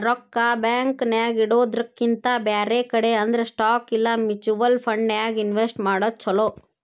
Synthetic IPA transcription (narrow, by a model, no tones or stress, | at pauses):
ɾɔkːɐbjaːŋknjaːɡiɽoːd̪ɾɐkːint̪ɐbaːɾekɐɽeɐnd̪ɐɾesʈaːkilːɐmit͡ʃuʋɐlpʰɐɳɖnjaːɡinʋesʈmaːɽɐt͡ʃʰːɔloː